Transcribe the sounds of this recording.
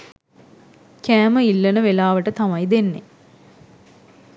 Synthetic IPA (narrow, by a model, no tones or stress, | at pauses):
kæːməilːənəʋelaːʋəʈət̪amajd̪enːe